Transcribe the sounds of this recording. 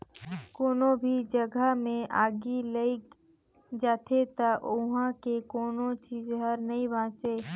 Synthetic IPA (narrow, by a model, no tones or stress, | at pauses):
koːnobʱid͡ʒəɡʱəmẽʔaːɡiləi | d͡ʒaːt̪ʰet̪aʔʊɦãkekoːnõt͡ʃiːd͡ʒɦəɾnɐibãːt͡ʃeː